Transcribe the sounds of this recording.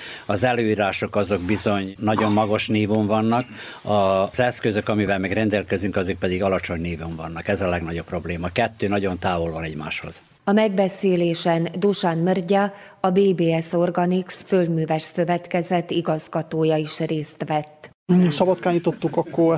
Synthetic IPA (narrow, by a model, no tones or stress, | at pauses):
ɒzɛløːiːɾaːʃo̞kɒzoɡbizo̞ɲnɒɟo̞mːɒɡo̞ʃniːvoɱvɒnːɒk | ɒzɛskøzøkɒmivɛlmɛɡrɛnd̪ɛlkɛzyŋkɒzyk̚pɛd̪iɡɒlɒt͡ʃo̞ɲniːvoːɱvɒnːɒkɛzɒlɛɡnɒɟo̞pːro̞bleːmɒkɛt̪ːøːnɒɟo̞nt̪aːvolvɒnɛɟma̰ːʃho̰z̥ | ɒmɛɡbɛseːleːʃɛnd̪uʃanmørɟɒ | ɒbeːbeːɛso̞rɡɒniksføld̪myːvɛʃsø̞vɛt̪kɛzɛt̪ːiɡɒzɡɒt̪oːjɒiʃreːst̪ʋɛt̪ː | sɒbɒt̪kaːɲit̪ot̪ːukɒkːo